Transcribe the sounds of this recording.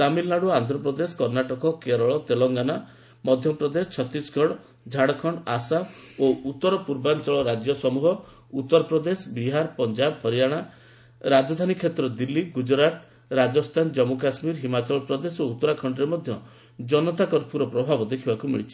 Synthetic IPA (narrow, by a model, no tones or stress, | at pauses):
t̪amilnaɽuant̪ɾɔpɾɔd̪eskɔɾnaʈɔkɔkeɾɔɭɔt̪elɔŋɡana | mɔd̪ʱjɔpɾɔd̪est͡ʃʰɔt̪isɡʱɔɽɔ | d͡ʒʱaɽɔkʰɔɳɖɔasaout̪ːɔɾɔpuɾbant͡ʃɔɭɔɾad͡ʒjɔsɔmuɦɔ | ut̪ːɔɾɔpɾɔd̪esbiɦaɾpɔnd͡ʒabhɔɾijaɽ̃a | ɾad͡ʒɔd̪ʱanikʰet̪ɾɔd̪ilːiɡud͡ʒɾaʈ | ɾad͡ʒɔst̪ʰand͡ʒɔmuk̬asmiɾɦimat͡ʃɔɭɔpɾɔd̪esout̪ːɔɾakʰɔɳɖɔɾemɔd̪ʱjɔ | d͡ʒɔnɔt̪akɔɾpuɾɔpɾɔbʱabɔd̪ekʰibakumḭɭit͡ʃʰi̥